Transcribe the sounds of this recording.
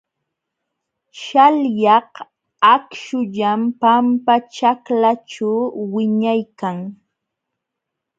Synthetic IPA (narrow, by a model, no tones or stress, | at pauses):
ʃaljɑh | akʃʊʎampampat͡ʃaklaʈ͡ʂawwɪɲajkaŋ